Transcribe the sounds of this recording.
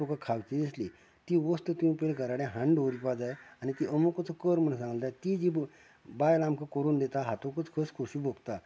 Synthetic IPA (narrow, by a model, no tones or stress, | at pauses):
okakʰaʋt͡ɕid̪esli | t̪iːʋəst̪ət̪ĩpelkəɾaɽjẽɦãɳɖoɾipad͡zajanit̪iʔəmukət͡səkəɾm̤ənsãŋɡəlt̪at̪id͡ʑiː | bajlambkəkəɾuːnd̪et̪aɦat̪okət͡skʰəskʰoɕiːbʱokt̪a